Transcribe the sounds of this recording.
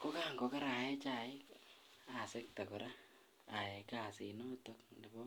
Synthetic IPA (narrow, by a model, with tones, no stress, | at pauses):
ko˦ka˦ŋɡo˦ka˦ɾa˨ɛ˦t͡ʃa˨ɪ˦k | a˨sɪ˦k̚ta˨kɔ˨ɾa˦ | a˨e˨ka˨sḭnɔ˦tok̚ni˨bɔ˦